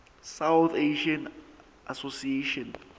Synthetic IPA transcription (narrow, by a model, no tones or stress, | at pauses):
sawt̪eʃãn | asosieʃɔ̃n